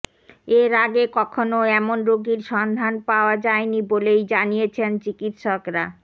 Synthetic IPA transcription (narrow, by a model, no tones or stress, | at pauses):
eɾaɡekɔkʰonoɛmonɾoɡiɾʃɔnd̪ʱanpaoad͡ʑaenibolejd͡ʑanijet͡ɕʰent͡ɕikit̪ʃɔkɾa̰